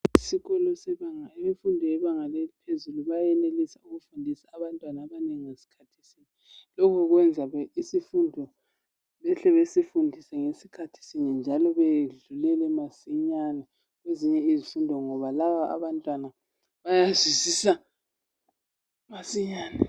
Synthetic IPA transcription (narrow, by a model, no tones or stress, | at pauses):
isiɣɔlɔsɛβaŋaimifundʱɔjɛβaŋalɛipʰezuluβajɛlelisauɣufundʱisaːβantʼwanaβaneŋiŋesi̥kʰatʰi̥sini | lɔkʰɔɣwɛnd͡zʱaβɛisifundʱɔ | βɛɬɛβesifundʱisɛŋesikʰatʰi̥siɲind͡ʒʱalɔβeɮulɛlɛmasiɲana | ɣweziɲɛizifundʱɔŋɔβalaβaa̰βantʼwana | βajazwizisa | masiɲaːnɛ